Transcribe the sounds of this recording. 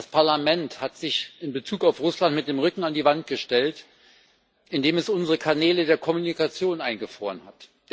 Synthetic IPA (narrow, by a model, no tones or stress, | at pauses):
daspʰaɐlamɛnthatz̥ɪçɪnbət͡suːkaʊfʁʊslantmɪt̚d̥eːmʁʏkŋ̩andiːvant̚ɡ̥əʃtɛlt | ʔɪndeːmɛsʊnzəʁəkʰanɛːlədeːɐkʰɔmunikat͡sjoːnʔaɪnɡəfʁ̥oːʁənhat